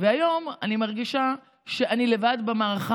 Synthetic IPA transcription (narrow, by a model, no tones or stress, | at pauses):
veajo̞manimaʁɡiʃa | ʃeʔanilevad̪bemaːʁaχ